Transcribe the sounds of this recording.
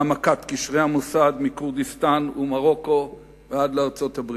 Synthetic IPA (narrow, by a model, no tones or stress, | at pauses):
amakat̪kiʃʁeamusad̪mikuʁd̪ist̪anumaʁo̞ko̞ | vead̪leaʁt͡so̞t̪habʁ